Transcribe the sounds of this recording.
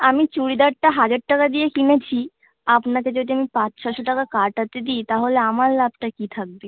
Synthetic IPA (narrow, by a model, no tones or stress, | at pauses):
amit͡ɕuɽid̪aɽ̚ʈaɦad͡ʑəɖ̚ʈakad̪iekinet͡ɕʰi | apnaked͡ʒiod̪ʱiamipat͡ʃʃʰɔʃɔʈakakaɾʈat̪ed̪iːt̪aɦoleamalːap̚ʈakit̪ʰak̚bi